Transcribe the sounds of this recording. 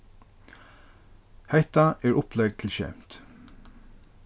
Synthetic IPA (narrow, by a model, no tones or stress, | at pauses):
hæɪt̪ɑʔeːɹʔʊpʰlɛɡ̚t̪ʰl̩çɛ̰ːmt̪